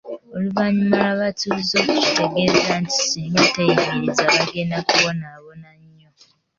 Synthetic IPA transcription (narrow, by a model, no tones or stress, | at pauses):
oluβaɲumalaβatulizo̞ːkuci̥teɡeɾezanti̥siːŋɡateimizaβaɡenakuβo̞naːβonaɲːo